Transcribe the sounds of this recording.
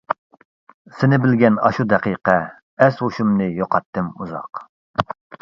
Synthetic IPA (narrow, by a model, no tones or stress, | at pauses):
sɪnɪbɪlɡʲɛnɑ̰ʃud̪ɛqiqɛ | ɛsuʃumnɨjoqʰɑt̪ːɨmuzɑ̰q